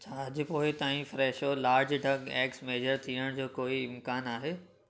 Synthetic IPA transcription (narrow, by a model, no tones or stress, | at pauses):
t͡ɕʰaːɐd͡ʑʊ̆poːɪt̪aːĩfɾɛːʃolaːɾd͡ʑɖʱɐɡɛːksmeːd͡ʑəɾt̪ʰiəɽ̃d͡ʑoːkoːiɪmkaːnaːɦeː